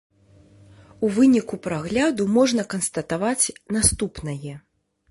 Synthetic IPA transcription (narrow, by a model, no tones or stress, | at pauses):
uvɨnʲikupɾaɣlʲad̪umɔʐnɐkɐnst̪ɐt̪avat͡sʲnast̪upnɐjɛ